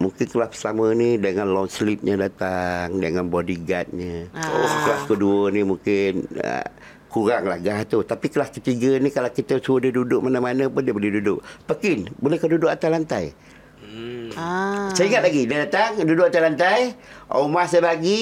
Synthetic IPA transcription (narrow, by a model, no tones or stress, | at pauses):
muŋkɪnkəlasəsəamənidəŋanlɔnslip̪̚ɲədat̪aŋdəŋanbodiɡat̪̚ɲəkəlaskəduənimuŋkɪnə̰ | kuɾaŋla̰hɡaht̪ut̪apiklaskət̪iɡənikalawkit̪əsuədiədudʊʔmanamanəpʊndiəbolɛhdudʊʔpəkɪnbolɛhkədudʊʔat̪ajlant̪aj | səiŋat̪̚laɡidadat̪aŋdudʊʔat̪alant̪ajʔomahsabaɡi